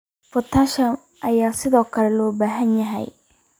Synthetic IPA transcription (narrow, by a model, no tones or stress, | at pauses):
fʊt̪ʰaʃɐm | ʔɐjaːsɪðɔːkʰɐlɛlɔːbaːɦɐnjɐɦɛ̰j